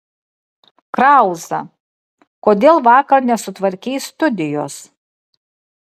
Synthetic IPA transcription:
kɾɑˑʊzɐ̰ | koːd̪ʲeːlˠʋɑːkɐɾnʲɛsʊt̪ʋɐɾʲkʲɛːst̪ʊd̪ʲɪjoːs

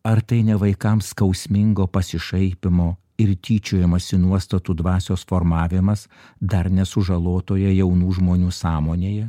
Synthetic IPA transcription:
ɐɾt̪ɐɪnʲɛʋɐɪkɐmskɐʊsʲmʲɪŋɡoːpɐsʲɪʃɐɪpʲɪmoː | ɪɾt̪ʲiːt͡ʃʲoːjɛmɐsʲɪnuɔst̪ɐt̪uːd̪ʋɑːsʲoːsfoːɾmɑːʋʲɪmɐs | d̪ɐɾnʲɛsʊʒɐlˠoːt̪oːjɛjɛʊnuːʒmoːnʲuːsɑːmoːnʲeːjɛ

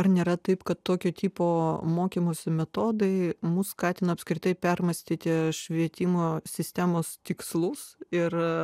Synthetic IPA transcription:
ɐrnʲeːɾɐt̪ɐɪpkɐtt̪ːoːkʲoːt̪ʲiːpoːmoːkʲimoːsʲɪmʲɛt̪oːd̪ɐɪmʊsskɑːt̪ʲɪnɐpskɾʲɪt̪ɐɪpʲɛrmɐsʲt̪ʲiːt̪ʲɪʃʲʋʲiɛt̪ʲɪmoːsʲɪsʲt̪ʲæmoːst̪ʲɪkslˠʊsɪr

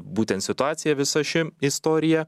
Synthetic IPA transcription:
buːt̪ʲɛnt̪sʲɪt̪ʊɑːt̪sʲɪjɛʋʲɪsɐʃʲɪɪst̪oːɾʲɪjɛ

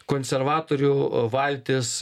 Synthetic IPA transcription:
koːnʲsʲɛɾʋɑːt̪oːɾʲuʋɐlʲt̪ʲɪs

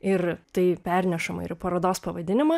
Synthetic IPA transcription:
ɪrt̪ɐɪpʲɛɾʲnʲɛʃɐmɐ̰ɪrpɐɾɐd̪oːspɐʋɐd̪ʲɪnʲɪmɐ

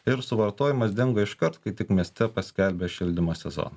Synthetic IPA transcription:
ɪɾsʊʋɐɾt̪oːjɪmɐs̬d̪ʲɪŋɡɐɪʃkɐɾt̪kɐɪt̪ʲɪkmʲiɛsʲt̪ʲɛpɐsʲkʲɛˑlʲbʲeːʃʲɪlʲd̪ʲɪmoːsʲɛzo̰ːnɐ

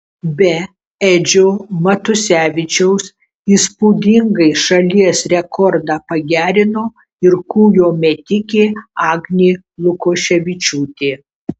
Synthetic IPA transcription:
bʲɛ | ɛd͡ʒʲoːmɐt̪ʊsʲæːʋʲɪt͡ʃʲɛʊs | iːspuːd̪ʲɪŋɡɐɪʃɐlʲiɛsɾʲɛkɔɾd̪ɑːpɐɡʲæːɾʲɪnoː | ɪɾkuːjoːmʲɛt̪ʲɪkʲeːɑːɡnʲeː | lˠʊkoːʃʲɛʋʲɪt͡ʃʲuːt̪ʲeː

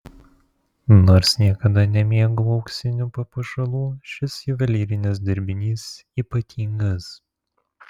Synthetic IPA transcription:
noːɾsnʲiɛkɐd̪ɐnʲɛmʲiɛɡuɒʊksʲɪnʲuːpɐpɐʃɐlˠuːʃʲɪsiːʋɐlʲiːɾʲɪnʲɪs̬d̪ʲɐɾʲbʲɪnʲiːs | iːpɐt̪ʲʰiːŋɡɐs

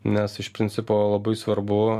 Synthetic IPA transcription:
nʲɛsɪʃpʲɾʲɪnʲsʲɪpoːlˠɐbɐɪsʋɐɾbʊ

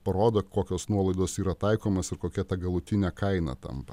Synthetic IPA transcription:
pɐɾoːd̪okoːkʲoːsnuɔlˠɐɪd̪oːsiːɾɐt̪ɐɪkoːmosɪɾkoːkʲɛt̪ɐɡɐlˠʊt̪ʲɪnʲɛkɐɪnɐ̰t̪ɐ̰mpɐ

